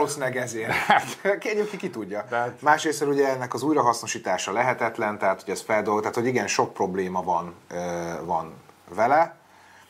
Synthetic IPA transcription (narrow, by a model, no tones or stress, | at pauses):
osinɛɡɛzeːrat̪keːremkikit̪uɟːɒmaːʃɾeːsɛluɟɛɛnːɛkɒzuːjɾɒɦɒsno̞ʃiːt̪aːʃɒlɛɦɛt̪ɛt̪lɛnt̪ɛɦaːt̪hoɟɛsfɛld̪olɡt̪aːt̪ho̞ɟiɡɛnʃo̞k̚pro̞bleːmɒvɒnøvɒnvɛlɛ